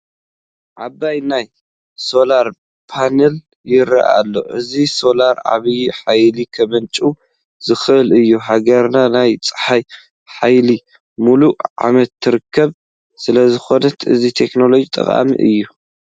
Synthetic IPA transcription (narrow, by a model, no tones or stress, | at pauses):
ʕabːajnaj | so̞laɾ | pʰanɐl | jɪɾɐ̰ʔa̰lːo̞̰ʔɨziso̞laɾʕa̰βjiħajlikʰɐβɐnt͡ʃʼu | z̥ɨxʔɨlɨjːuɦaɡɐɾnanajt͡sʼɨ̥ħaj | ħajli | muluʕa̰mɐt̪ʰːɨɾɨkʰːɐβ | sɨlɐzɨxo̞nɐt̪ʔɨ̰zit̪ʰe̞kno̞lo̞d͡ʒit̪ʼɐ̰χʼa̰mḭʔɨ̰jːu